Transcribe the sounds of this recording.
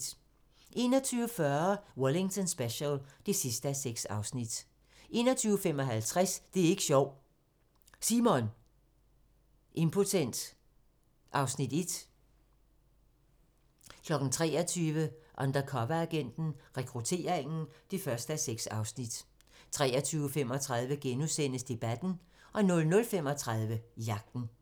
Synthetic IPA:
ʔe̝̰ːnɒt͡sʰyːʊəfɶɐwɒle̝ŋt͡sʰɒnsb̥eɕəld̥e̝sisd̥əæseɡ̥sɑ̈ʊsnid̥ | ʔe̝̰ːnɒt͡sʰyːʊəfemɒ̽ɦælt͡sʰʁasd̥e̝æɐe̝ɡ̥əɕɒʊ̰ | simɔn | ʔe̝mpʰo̝t͡sʰen̰d̥ | ʔɑ̈ʊsnid̥e̝d̥ | kʰlɒ̽ɡ̥n̩t͡sʰʁɛ̰ːɒt͡sʰyːʋəʔɒnd̥ɐkʰɒ̽ʋææɡ̥en̰d̥n̩ʁɛkʰʁut͡sʰe̝̰ːɐeŋn̩d̥e̝fɶɐsd̥əæseɡ̥sɑ̈ʊsnid̥ | t͡sʰʁɛːɐt͡sʰyːʊəfem̰ɒ̽t͡sʰʁɑ̈ðˠʋəɡ̥enusen̰əsd̥e̝b̥æd̥n̩ | ʔɒ̽nɔ̽lnɔ̽lfem̰ɒ̽t͡sʰʁɑðˠʋəijɑ̈ɡ̥̚d̥n̩

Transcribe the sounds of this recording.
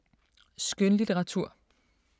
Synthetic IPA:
sɡ̥ønlit͡sʰeʁɑ̈t͡sʰuɐ̰

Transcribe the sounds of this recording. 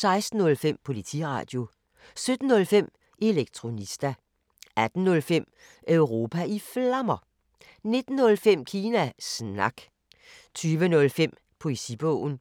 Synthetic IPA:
sɑ̈ɪsd̥n̩ɔ̽lfem̰pʰo̝lit͡sʰḭʁɑ̰̈d̥jo̝ | sød̥n̩ːɔ̽lfem̰ | ʔe̝leɡ̥̚t͡sʰʁo̝nisd̥æ | æd̥n̩ːɔ̽lfem̰ | œʊʁo̝pʰæiflɑmɐ | ne̝d̥n̩ːɔ̽lfem̰kʰiːnæsnɑ̈ɡ̥ | t͡sʰyːʋənɔ̽lfem̰ | pʰo̝esḭb̥ɔ̰ʊ̰n̩

